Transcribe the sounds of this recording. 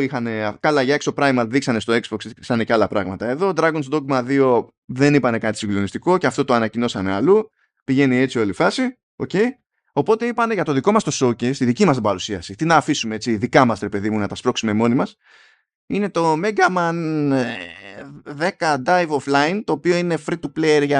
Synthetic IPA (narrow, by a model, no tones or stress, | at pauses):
ixɐne̞kɐlɐʝɐeksopɾɐjmɐðiksɐnest̪o̞ekzbokssɐne̞cealɐpɾɐɣmɐt̪ɐe̞ðo̞d̪ɾɐɡonsd̪o̞kmɐðio̞ | ðe̞nipɐne̞kɐt̪i̥siɡlo̞nist̪iko̞ceɐft̪o̞t̪o̞ɐnɐcino̞sɐnealu | piʝe̞nie̞t͡sio̞lifɐsi | o̞̰ce̞j | o̞po̞t̪e̞ipɐne̞ʝɐt̪o̞ðiko̞mɐst̪o̞so̞cest̪iðicimɐst̪ibɐɾusiɐsit̪inɐːfisume̞e̞t͡siðikɐmɐsɾe̞pe̞ðimunɐt̪ɐspɾo̞ksume̞mo̞nimɐs | ine̞t̪o̞meɡɐmɐn | ðe̞kɐd̪ɐjvoflɐint̪o̞ːpio̞ine̞fɾit̪upleɾʝɐ